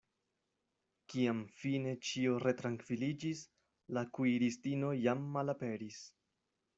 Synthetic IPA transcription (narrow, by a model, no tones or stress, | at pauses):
kiamfine̞t͡ʃioɾe̞tɾaŋkv̥ilid͡ʒis | lakuiɾistino̞jamːalape̞ɾis